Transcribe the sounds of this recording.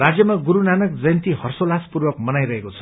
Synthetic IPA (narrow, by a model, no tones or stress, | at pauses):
rad͡zjʌmaɡuɾunanʌk̚d͡zʌjʌnt̪ihʌrsolaspurwʌkmʌnajɾʌɦekot͡sʰʌ̥